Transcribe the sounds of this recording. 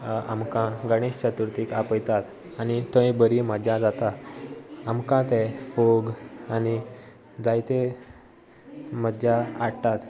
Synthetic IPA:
amkãɡəɽ̃eɕt͡ɕət̪uɾt̪ikapəjt̪at̪ | anit̪ə̃ĩbəɾiməd͡ʑjad͡zat̪a | amkãt̪ɛfoɡani | d͡zajt̪e | m̤əd̪d͡ʑjaaɽʈ̪at̪

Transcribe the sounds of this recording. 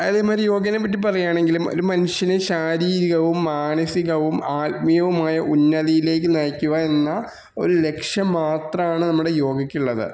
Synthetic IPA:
ɐðeːmaːɾijo̞ːɡɐnep̬ːɐʈ̬ːipɐrɐjaːɳe̞ŋɡilumo̰ɾumɐnuʂjɐneɕaːɾiːɾiɣɐʋumːaːɳɐsiɣɐʋumaːt̪mijɐʋumaːjɐʔunːɐðijile̞ːk̬ːɨnɐːkʲːuɣɐenːɐ | o̞̰ɾule̞kʂjɐmːaːt̪rɐmaːɳɨnɐmːuɽe̞jo̞ːɡɐkʲːuɭːɐðɨ̰

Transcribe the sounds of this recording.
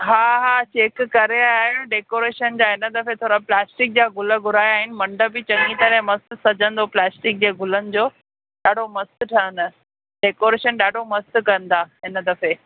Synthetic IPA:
ɦaːɦaːt͡ɕeːkːɐɾeaːɦɪɽ̃ɖeːkoːɾeːʃənd͡ʑaːɦɪnə̆d̪ɐfet̪ʰoːɾaplɛːsʈɪk̚d͡ʑaːɡʱʊlə̆ɡʱʊɾaːjaːɦɪnɪ̆mɐ̃ɳɖəbɪt͡ɕɐ̃ŋɡit̪ɐɾɛ̃mɐst̪sɐd͡ʑʱə̃nd̪oplɛːsʈɪk̚d͡ʑeːɡʱʊlənɪ̆d͡ʑoː | ɗaːɖʱomɐst̪ʈʰənə̆ | ɖeːkoːɾeːʃənɗaːɖʱomɐst̪kɐənd̪aːɦɪnə̆d̪ɐfe

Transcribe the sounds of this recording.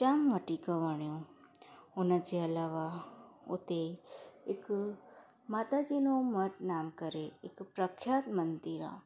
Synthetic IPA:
t͡ʃamʋəʈikəʋəɳ̃jõ | onat͡ʃeəlaʋao̰t̪eek | mat̪ad͡ʒinoməʈnamkəɾeekpɾəkʰjat̪mənd̪iɾa̰

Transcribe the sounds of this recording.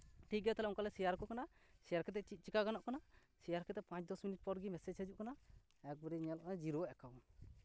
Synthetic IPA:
ʈʰik̚ɡɛt̪ɛlɛuŋkalɛsijaɾkɔkanasijaɾkɛt̪ɛʔt͡ʃit̪̚t͡ʃikaɡanɔʔkana | sijaɾkɛt̪ɛpãt͡ʃd̪ɔsminiʈ̚pɔɾɡimɛsɛd͡ʒsed͡ʒuʔkana | ɛk̚bɔɾiɲɛlʔkad͡ʒiɾɔɛkaw

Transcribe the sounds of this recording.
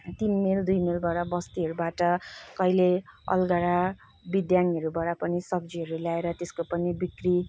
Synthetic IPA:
t̪inmeld̪ujmelbʌɽabʌst̪iɦʌɾubaʈʌkʌileʌ̰lɡaɽa | bid̪janiɦʌɾubaɽapʌnisʌɡ̚d͡ziɦʌɾuljaeɾʌt̪eskopʌnibikri

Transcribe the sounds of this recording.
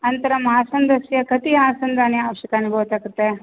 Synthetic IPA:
ɐnt̪ɐɾɐmɐɦaːsɐnd̪ɐʃɐjɐkɐt̪ijaːsɐnd̪ʱaːnjɐːʋɐʃjɐkanibʱɐʋɐt̪aːɡut̪ːe

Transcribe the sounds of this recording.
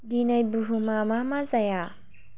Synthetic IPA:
dinajbuɦumamamazaja

